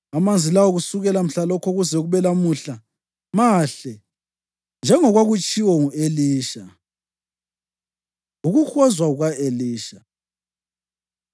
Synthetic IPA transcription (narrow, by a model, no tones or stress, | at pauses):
amand͡zʱilawɔɣusuɣɛlam̩ɬalɔkʰɔɣuzɛuɣuβɛlamuɬa | maɬɛ | nd͡ʒʱɛŋɔɣwaɣut͡ʃʼiwɔŋueliːʃa | uɣuxɔzwauɣaeliːʃa